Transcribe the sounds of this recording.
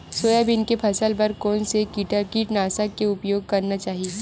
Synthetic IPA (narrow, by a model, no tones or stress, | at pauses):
soːjabɪnkepʰɐsəlpɐɾkɔːnsekiːʈəkiːʈnaːsəkːeʊpjoːɡ̚kɐɾnat͡ʃaːɦieː